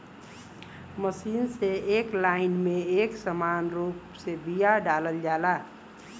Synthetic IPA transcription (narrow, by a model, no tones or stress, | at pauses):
məsiːnseeklaɪnmẽeːksəmaːnɾuːpsebijaɖaləld͡ʒaːla